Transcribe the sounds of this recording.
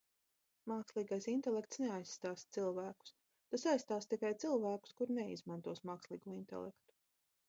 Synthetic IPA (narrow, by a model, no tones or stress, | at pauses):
maːkslˠiːɡajsint̪ɛlˠɛk̚t̪sneajsːt̪aːst̪silˠvæːku̥s | t̪asajst̪aːst̪ikajt̪silˠvæːku̥skuɾnɛḭzmant̪uɔsmaːkslˠiːɡuint̪ɛ̰lˠɛ̰kt̪u̥